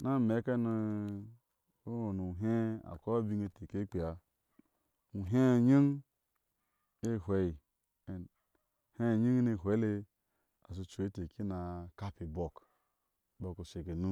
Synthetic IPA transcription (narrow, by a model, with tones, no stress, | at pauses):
na˦˨me˨˦ka˦nu˧ | o˦o˨nu˨ɦe˦a̰˨ko˦bi˦˧ŋe˧˨te˨ke˦k͡pi˨a˨ | u˨ɦe˦˨ɲi˦ŋ | e˦˨ɦʷe˨i˨ | he˦˨ɲi˦ŋ˦ne˧˨ɦʷe˨˦le˧ | a˨s̬u˧t͡ʃu˨e˦te˨ki˦na˨ka˦pi˨bo˨k | ba˨ko˨se˨ke˨nu˦